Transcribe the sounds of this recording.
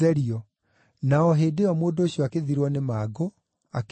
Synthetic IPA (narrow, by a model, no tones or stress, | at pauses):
ɛɾiɔ | naɔɦeːdeɔmoːndoːɕijɔakeðiɾwɔnemaɡo | ak